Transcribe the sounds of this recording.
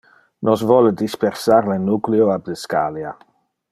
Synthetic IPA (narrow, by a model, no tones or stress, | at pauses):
nɔsvɔləd̪ispersaɾlənukleoab̚d̪əska̰lja